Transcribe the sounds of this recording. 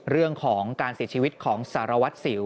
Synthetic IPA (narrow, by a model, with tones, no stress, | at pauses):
ɾɯ˥˩əŋkʰɔː˩˦ŋkaː˧nsi˨˩˦t͡ɕʰiː˧wi˦t̪̚kʰɔː˩˦ŋsaː˩˦ɾa˧wa˦˥t̪̚si˩˦